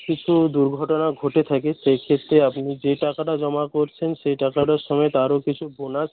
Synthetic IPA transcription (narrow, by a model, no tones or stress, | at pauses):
kit͡ɕʰud̪uɾɡʱɔʈonaɡʱoʈet̪ʰakeʃejkʰet̪ɾeapnid͡ʑeʈakaʈad͡ʑɔmakoɾt͡ɕʰenʃejʈakaʈaɾʃɔmɔet̪aɾokit͡ɕʰubona